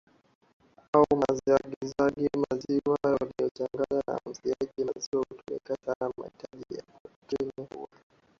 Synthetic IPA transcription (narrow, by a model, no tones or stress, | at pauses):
aumaziwaɠizaɗɡimaziwajwalijɔtaŋɡazana̰m̩ziaʄimaziwautɔlɛ̰kɛtanama̰hitaʄija̰katinihṵwa